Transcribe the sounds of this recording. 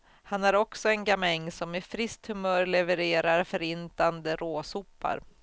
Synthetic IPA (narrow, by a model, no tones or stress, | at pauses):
hanæɾɔksɔɛnɡamɛɲːsɔmːɛfɾɪst̪hɵmœːɾɭɛvəɾeːɾaɾfœɾɪnt̪and̪əɾʔoːsupːa̰ɾ